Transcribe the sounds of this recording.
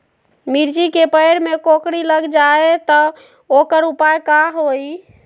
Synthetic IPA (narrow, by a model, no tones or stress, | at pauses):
miɾd͡ʒikepəjɾmekokɽiləɡd͡ʒaet̪ɔ | okəɾupajkaɦoj